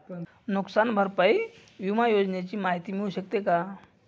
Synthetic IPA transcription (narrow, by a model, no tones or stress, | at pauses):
nuksanbʱəɾpai | ʋimajod͡ʑnjat͡ɕiːmaɦit̪imɦoɕək̚t̪eka